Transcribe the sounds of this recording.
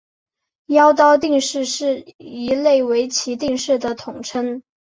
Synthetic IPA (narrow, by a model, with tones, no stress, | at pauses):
jɑ˥ʊt̪̬ɑ˥ʊt̪i˥˧ŋʂɻ̩˥˧ʂɻ̩˥˩i˧˥le˥˩ɪwe˧˥ɪt͡ɕʰi˧˥t̪i˥˧ŋʂɻ̩˥˩d̪ə˩t̪ʰʊ˨˩ŋʈ͡ʂʰə˥n